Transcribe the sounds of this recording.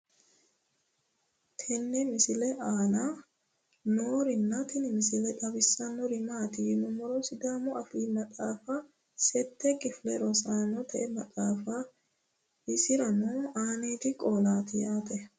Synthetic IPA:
t̪ʰɛnːɛmɪsɪlɛʔaːnaː | noːɾɪnːɐt̪ɪnɪmɪsɪlɛᶑɐbɪsːanɔɾɪmaːt̪ɪjɪnʊmɔɾosɪd̪aːmɔʔɐfiːmɐtʼaːfa | sɛt̪ːɛkʼɪflɛɾɔsaːnɔt̪ʰɛʔɛmɐtʼaːfa | ɪsɪɾɐnuaːneːt̪ɪkʼoːlaːt̪ɪjaːt̪ɛ

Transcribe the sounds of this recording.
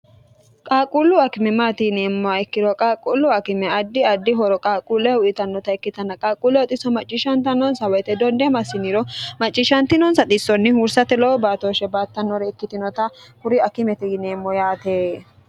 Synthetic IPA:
kʼaːkʼulːʊɐkɪmɛmaːt̪ɪneːmːɔaɪkːɪɾɔkʼaːkʼulːʊɐkɪmɛɐd̪ːɪɐd̪ːɪɦɔɾɔkʼaːkʼulːɛʊʔɪt̪ɐnːɔt̪ɐɛkːɪt̪ɐnːɐkʼaːkʼulɛɔt̪ʼɪsɔmɐt͡ʃʼːɪʃɐnt̪ɐnɔnsɐwɛt̪ɛd̪ɔnd̪ɛmɐsɪnɪɾɔmɐt͡ʃʼːɪʃɐnt̪ɪnɔnsɐt̪ʼɪsːɔnːɪhuɾsɐt̪ɛlɔɔbaːt̪oːʃɛbaːt̪ːɐnːɔɾɛɪkːɪt̪ɪnɔt̪ɐhʊɾɪɐkɪmɛt̪ɪneːmːɔjaːt̪e

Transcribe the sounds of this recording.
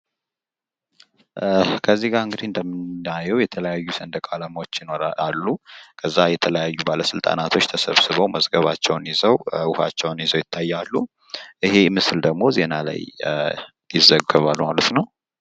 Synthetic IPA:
kʰəzːiɡaɾɨŋɡɨd̪iɨnd̪əmɨnajɛwjɛt̪ʰələjajːusənd̪əkʼalamwot͡ʃːjɪnoɾaalːukʰəzːajɛt̪ʰələjajːubaləsɨlt̪ʼa̰nat̪ʰo̞t͡ʃːt̪ʰəsəβsɨβəwməzɡəβat͡ʃːɛwnjɪzəwʊha̰t͡ʃːɛwnjɪzəwjɪt̪ʰːajːalːu | ʔɨɦe̞mɨsɨld̪əɡmo̞ze̞nala̰j | jɪzːəɡəβalmalət̪nəw

